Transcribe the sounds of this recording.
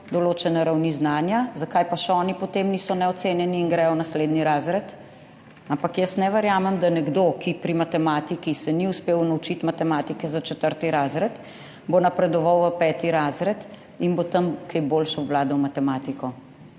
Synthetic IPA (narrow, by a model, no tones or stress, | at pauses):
d̪ɔloːt͡ʃɛnɛɾawniznaːnjazakajpaʃɛɔːnipɔt̪emnisɔnɛɔt̪seːnjɛniːnɡɾɛjɔnasleːd̪niɾazɾɛt̪ | ampakjəsnɛʋəɾjaːmɛmd̪anɛɡd̪okipɾimat̪ɛmat̪ikisɛniuspeːwnaut͡ʃit̪mat̪ɛmaːt̪ikɛzat͡ʃɛt̪əɾt̪iɾazɾɛt̪ | bonɐpɾɛd̪ɔʋawʋəpɛːt̪iɾaːzɾɛt̪ | inbot̪ɐmkɛjboːlʃaʋlaːd̪ɔwmat̪ɛmat̪ikɔ